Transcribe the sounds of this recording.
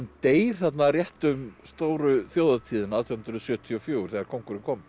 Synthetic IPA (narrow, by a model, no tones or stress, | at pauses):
nt̪eːjɾ̥θat̪narjɛht̪ʏmst̪oːwɾʏθjoːwðat̪ʰiːðɪnawt̪ʰɛwhʏnɾʏsjœːt̪ʰiɔfjoːwɾ̥θɛːɣaɾkʰɔŋkuɾɪnkʰɔːm